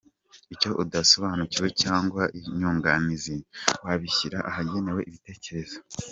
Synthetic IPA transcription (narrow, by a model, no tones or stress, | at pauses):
ico̞ʔudaso̞βaːnuciwe̞caːŋɡwaʔiɲuːŋɡaniziwaβiçiɾaʔaɦaɟe̞ne̞we̞ʔiβite̞ːce̞ɾe̞z̥o